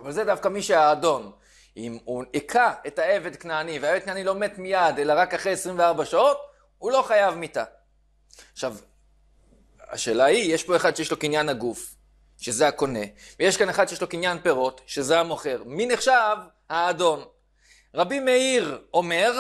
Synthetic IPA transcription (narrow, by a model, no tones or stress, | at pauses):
avalzedafkamiʃeaːdo̞n | imuekʰaetae̞ve̞d̪̚knaːniveaeved̪̚knaːnilo̞me̞tmijade̞laʁakaχʁeesʁimveaʁbaʃao̞t | ulo̞χajavmita | aχʃav | a̰ʃe̞ːlaijeʃpo̞e̞χad̚ʃejeʃlo̞kinjanaɡuf | ʃe̞zeako̞ne̞vejeʃkaneχad̪ʃejelo̞kinjanpe̞ʁo̞tʃe̞zeamo̞χe̞ʁmineχʃav | haːdo̞n | ʁabimeiʁo̞me̞ʁ